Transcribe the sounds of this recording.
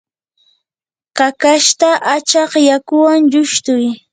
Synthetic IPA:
kakaʃt̪aʔat͡ʃɑqjakʊwaŋʎʊʃt̪ʊj

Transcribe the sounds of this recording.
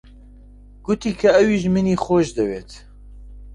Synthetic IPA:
ɡ̥ʊt̪iːkʰɐɛwiːʒmɨniːxoʒd̪ɐweːt̪

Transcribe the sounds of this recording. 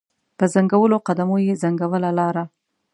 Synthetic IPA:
pəzaŋɡawəloqad̪amojezaŋɡawəlalɑɾa

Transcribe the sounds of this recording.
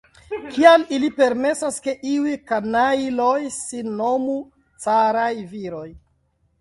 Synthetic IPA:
kialilipe̞ɾme̞saske̞ʔiujkanalo̞jsinːo̞mu | t͡saɾajviɾo̞j

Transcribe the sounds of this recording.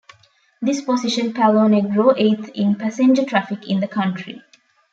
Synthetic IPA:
d̪isposiʃə̃npʰælõːneɡɾoːʔeːt̪ʰĩnpæsẽnd͡ʒəʈɾæfikĩnd̪əkʰʌ̃ɳʈʰɾḭ

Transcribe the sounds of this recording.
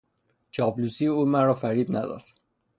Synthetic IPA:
t͡ʃʰɒːblusiːuːmænrɒːfæɾiːd̪næ̰d̪ɒ̰d̪̥

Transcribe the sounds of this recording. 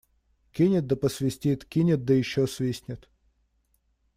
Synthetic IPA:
kʲinʲɪt̪̚d̪əpəsvʲɪsʲtʲit̪kʲinʲɪt̪̚d̪əjɪɕːosvʲisʲnʲɪt̪

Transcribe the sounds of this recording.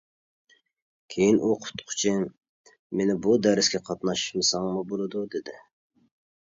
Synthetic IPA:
kʲʰejinʔuqʰʊ̥t̪qʰʊ̥t͡ʃʰi | menɪbud̪æɾɪskʲɛqʰɑt̪nɑʃʃmɨsɑŋmubolˠɨd̪ud̪ɪd̪ɪ

